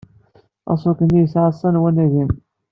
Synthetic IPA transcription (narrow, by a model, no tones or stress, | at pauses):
ɑ̰sˤokənjəsʕəsˤːɑnwænæʝin